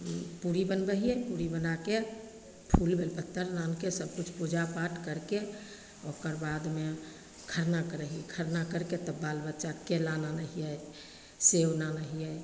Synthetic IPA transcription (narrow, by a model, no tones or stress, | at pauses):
puɾibənbəɦiɛpuɾibənake | pʰulbʱelbət̪ːəɾlankesəb̚kut͡ʃʰpud͡ʒapaʈkəɾke | okəɾbaːd̪me | kʰəɾnakəɾəɦiɛkʰəɾnakəɾket̪əbalbətːʃakelananəɦiɛj | sewnanəɦiɛ